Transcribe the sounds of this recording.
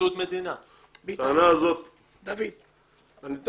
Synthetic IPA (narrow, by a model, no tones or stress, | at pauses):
ut̪med̪ina | t̪anazot̪̚ | d̪avid̪ | anit̪